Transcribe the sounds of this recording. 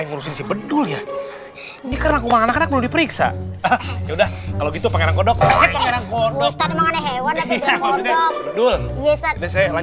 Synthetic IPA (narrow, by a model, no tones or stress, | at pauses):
iŋuɾusɪŋsibədʊlja | inikaɾənakumaŋanakanak̚məlumdipəɾiksa̰ | jaudahkaloɡit̪upaŋeɾaŋkɔdɔk̚apaŋeɾankɔst̪animaŋanaɦewanjakaidadʊljɛsadasajlaɲ